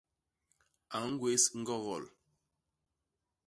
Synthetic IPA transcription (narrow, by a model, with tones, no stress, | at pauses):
a˨ŋ̩˦ɡwe˦sŋ̩˦ɡɔ˦ɣɔ˨l